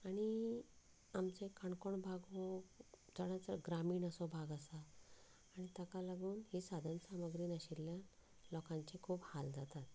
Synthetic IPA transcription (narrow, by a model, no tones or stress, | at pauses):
aɽ̃i | amt͡sekʰəɳkɔɳbʱaɡʋod͡zəɽ̃ãt͡səɡɾamiːɳəsɔbʱaɡəsaː | ɽ̃it̪akalaɡuːnhisad̪ʱənsaməɡɾiːnəɕilːjã | lɔkãɲt͡ɕikʰuːphald͡zat̪at̪̚